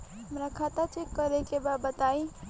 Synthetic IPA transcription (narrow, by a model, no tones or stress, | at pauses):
ɦʌmɾakʰat̪at͡ʃʰekːʌɾekebabət̪aj